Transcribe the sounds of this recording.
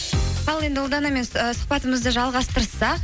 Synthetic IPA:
ɑlˠe̞nd̪ɪwʊlˠd̪ɑnɑme̞nsʊ̥q̚pɑt̪əməzd̪əʒɑlˠʁɑst̪əɾsɑq

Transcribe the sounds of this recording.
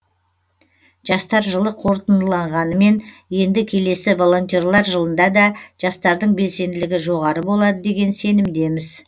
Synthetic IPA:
ʒ̥ɑst̪ɑɾʒəlˠəqʰo̞ɾt̪ənəlˠɑɴʁɑnəme̞n | je̞nd̪ɪkʲʰe̞le̞sɪvo̞lˠo̞nt̪ʲiorlˠɑɾʒəlˠənd̪ɑd̪ɑʒ̥ɑst̪ɑɾd̪əɴbe̞lse̞nd̪ɪlɪɡʲɪʒo̞ʁɑɾəbo̞lˠɑd̪əd̪e̞ɡʲe̞nse̞nɪmd̪e̞mɪz

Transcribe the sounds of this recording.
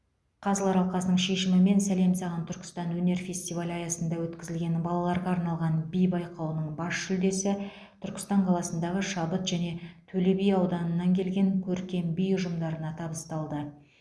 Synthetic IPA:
qʰɑzəlˠɑɾɑlˠqɑsənəɴʃe̞ʃɪmɪme̞nsæle̞msɑʁɑnt̪ʰʏɾkʲɪ̥st̪ɑnwɵne̞ɾfʲe̞sʲt̪ivalʲɑjɑsənd̪ɑwɵt̪kʲɪzɪlɡʲe̞nbɑlˠɑlˠɑɾʁɑːɾnɑlˠʁɑnbijbɑjqɑwənəɴbɑsʃʏld̪e̞sɪ | t̪ʰʏɾkʲɪ̥st̪ɑɴqʰɑlˠɑsənd̪ɑʁəʃɑbət̪ʒ̥æne̞t̪ʰɵlebijɑwd̪ɑnənːɑŋkʲʰe̞lɡʲe̞ŋkʲʰɵɾkʲe̞mbijʊʒəmd̪ɑɾənɑt̪ʰɑbəst̪ɑlˠd̪ə

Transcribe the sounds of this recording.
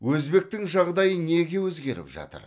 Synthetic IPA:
wɵzbe̞k̚t̪ɪŋʒɑʁd̪ɑjəne̞ɡʲe̞wɵzɡʲe̞ɾɪ̰pʒɑ̰t̪ə̰ɾ

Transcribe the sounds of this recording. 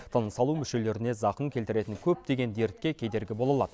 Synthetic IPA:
t̪ʰənəsɑlˠumʏʃe̞le̞ɾɪne̞zɑqəŋkʲʰe̞lt̪ɪɾe̞t̪ɪŋkʲʰɵp̚d̪e̞ɡʲe̞nd̪e̞ɾt̪kʲe̞kʲʰe̞jd̪e̞ɾɡʲɪbo̞lˠɑlˠɑd̪

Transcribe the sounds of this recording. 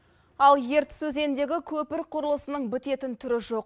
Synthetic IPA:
ɑlˠje̞ɾt̪sɵze̞nd̪e̞ɡʲɪkʲʰɵpɪɾqʰʊɾəlˠəsənəɴbɪt̪e̞t̪ɪnt̪ʰʏɾɪʒo̞q̚

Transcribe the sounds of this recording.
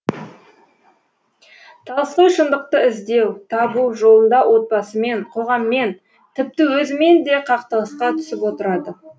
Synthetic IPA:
t̪ʰɑlˠəsqəjʃənd̪əq̚t̪əɪzd̪e̞wt̪ʰɑbuʒo̞lˠənd̪ɑwʔo̞t̪̚bɑsəme̞ɴqʰo̞ʁɑmːe̞n | t̪ʰɪp̚t̪ɪwɵzɪme̞nd̪e̞qʰɑqt̪əʁəsqɑt̪ʰʏ̥sɪpwo̞t̪əɾɑd̪ə

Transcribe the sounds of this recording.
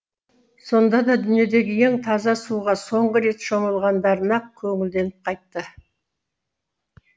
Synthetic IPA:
so̞nd̪ɑd̪ɑd̪ʏnije̞d̪e̞ɡʲɪje̞ŋt̪ʰɑzɑsuʁɑso̞ɴʁəɾe̞t̪ʃo̞məlˠʁɑnd̪ɑɾənɑq̚kʲʰɵŋɪld̪e̞nɪp̚qʰɑjt̪ːə

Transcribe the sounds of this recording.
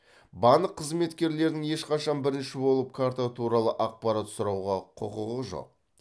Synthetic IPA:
bɑnəqʰːəzme̞t̪kʲe̞ɾle̞ɾd̪ɪŋje̞ʃqɑʃɑnbɪɾɪnʃɪbo̞lˠəp̚kʰaɾt̪at̪ʰuɾɑlˠəʔɑq̚pɑɾat̪sʊɾɑwʁɑqʰʊqəʁəʒo̰q̚

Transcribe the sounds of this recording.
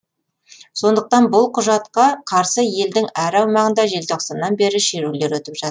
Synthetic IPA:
so̞nd̪əq̚t̪ɑnbʊlˠqʰʊʒɑt̪qɑqʰɑɾsəje̞ld̪ɪŋæɾɑwmɑʁənd̪ɑʒe̞lt̪ʰoqsɑnːɑnbe̞ɾɪʃeɾule̞ɾwɵt̪ɪpʒɑt̪

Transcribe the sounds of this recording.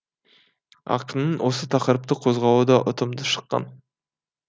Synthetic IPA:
ɑ̰qənənwʔo̞sət̪ʰɑqɾəp̚t̪əqʰozʁɑlud̪ɑʔot̪ʰəmd̪əʃə̥qːɑ̰n

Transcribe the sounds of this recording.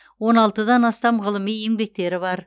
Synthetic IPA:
wo̞nɑlˠt̪əd̪ɑnɑst̪ɑmʁəlˠəmije̞ŋbe̞k̚t̪e̞ɾɪβɑɾ

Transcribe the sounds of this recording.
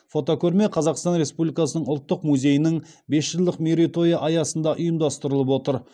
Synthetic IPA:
fo̞t̪o̞kʲʰɵɾme̞qʰɑzɑqst̪ɑnɾe̞spublʲijkɑsənəɴʊlˠt̪ːəqmuzʲe̞jɪnɪŋbe̞sʒəlˠd̪ɪqmʲeɾit̪o̞jɑʔɑjɑsənd̪ɑʔʊjəmd̪ɑst̪əɾəlˠəpwo̞t̪əɾ

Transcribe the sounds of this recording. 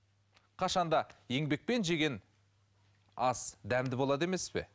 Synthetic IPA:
qʰɑʃɑnd̪ɑje̞ŋbe̞k̚pe̞nʒe̞ɡʲe̞n | ɑsd̪æmd̪ɪbo̞lˠɑd̪e̞me̞spe̞̰

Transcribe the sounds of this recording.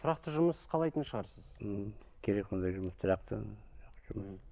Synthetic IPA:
t̪ʰʊɾɑqt̪əʒʊməsqʰɑlˠɑjt̪ənʃəʁɑɾsəz̥m̩ | kʲʰe̞ɾek̚so̞nd̪ɑjʒʊməst̪ʰʊɾɑq̚t̪ə̰ʒɑq̪əʒʊməs

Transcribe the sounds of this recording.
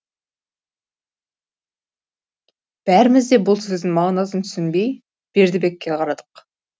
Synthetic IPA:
b̥æɾɪmɪzd̪e̞bʊlˠsɵzd̪ɪŋmɑʁnɑsənt̪ʰʏ̥sɪnbe̞j | b̥e̞ɾd̪ɪbe̞kʲːeqʰɑɾɑd̪əq

